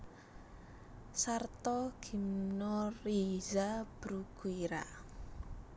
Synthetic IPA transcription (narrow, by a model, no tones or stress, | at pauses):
sart̪ɔɡ̥imnɔrizab̥ɾuɡ̥uiɾa̰